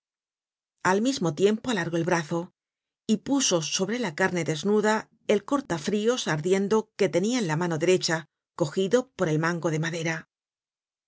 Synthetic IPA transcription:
almizmo̞t̪je̞mpo̞alaɾɣo̞e̞lβɾaθo̞ | ipuso̞so̞βɾe̞lakaɾneðe̞znuða | e̞lko̞ɾt̪afɾio̞saɾðje̞nd̪o̞ke̞t̪e̞niaenlamano̞ðe̞ɾe̞t͡ʃa | ko̞xiðo̞po̞ɾe̞lmãŋɡo̞ðe̞maðe̞ɾa

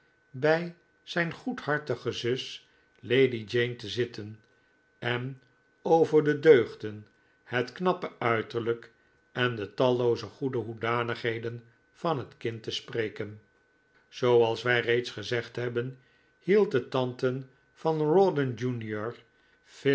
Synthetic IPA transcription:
bɛj | z̥ɛjnχuthɑɹtəχəzʏs | lejdid͡ʒejntəzɪtʰən | ɛn | owvəɹdədøɥχdən | hətknɑpəœɥtəɹlək | ɛndətɑlowzəχudəɦudaːnəχɦejdən | fɑnɦətkɪntəspreːkən | z̥owɑlˠsʋɛjrejtsχəzɛχtɦɛbən | hilˠt̚dətɑntən | vɑnrɔdənd͡ʒunjɔɹ | f

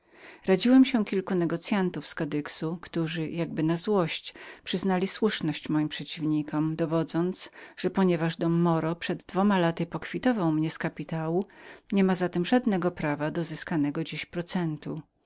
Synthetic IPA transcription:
ɾad͡ʑiwɛmɕɛkʲilkunɛɡɔt̪sjant̪ufskad̪ɘksukt̪uʐɘjaɡ̚bɘnazwɔɕt͡ɕpʂɘznalʲiswuʂnɔɕt͡ɕmɔjimpʂɛt͡ɕivɲikɔmd̪ɔvɔd̪zɔnt̪sʐ̥ɛpɔɲɛvaʐd̪ɔmːɔɾɔpʂɛd̪ːvɔmalat̪ɘpɔkfʲit̪ɔvawmɲɛskapʲit̪awuɲɛmazat̪ɛmʐad̪nɛɡɔpɾavad̪ɔzɘskanɛɡɔd͡ʑeɕpɾɔt̪sɛnt̪u

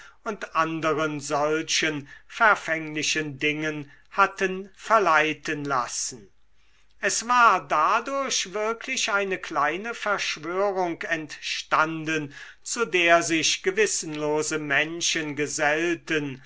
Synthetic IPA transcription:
ʊntʔandəʁənzɔlʃənfɛɐfɛŋlɪʃəndɪŋən | hatənfɛɐlaɪtənlasn̩ | ʔɛsv̥aːɐdadʊɐɕvɪɐkʰlɪʃʔaɪnəklaɪnəfɛɐʃv̥øːʁʊŋkɛntʃtandən | t͡sudeːɐzɪʃɡ̥əvɪsn̩loːzəmɛnʃənɡəzɛltən

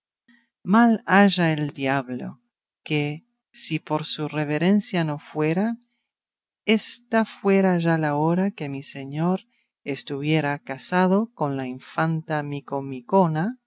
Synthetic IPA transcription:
malaʒaeld̪jaβlo̰ | ke | sipo̞ɾsureβ̞eɾensjano̞fwe̞ɾa | est̪afwe̞ɾaʒalaoɾake̞miseɲoɾ | est̪uβje̞ɾakasað̞o̞ko̞nlaiɱfant̪amikomikona

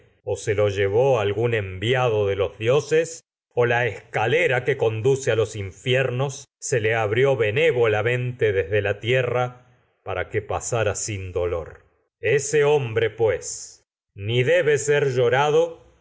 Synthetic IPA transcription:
oselo̞ʒeβo̞alɣune̞mbjaðo̞ðelo̞zðjo̞ses | olaeskaleɾakeko̞nd̪usealo̞siɱfjɛɾno̞sːeleaβɾjo̞βe̞neβo̞lamẽ̞nt̪eðezðelat̪jera | paɾakepa̰saɾasind̪o̞lo̞̰ɾ | eseo̞mbɾe̞pwes | niðeβeseɾʒo̞ɾaðo̞

